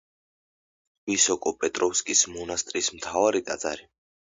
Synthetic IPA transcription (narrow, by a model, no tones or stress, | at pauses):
visɔkʼɔpʼɛt̪ʼɾɔfskʼismɔnast̪ʼɾismt̪ʰavaɾit̪ʼad̪zʼa̰ɾi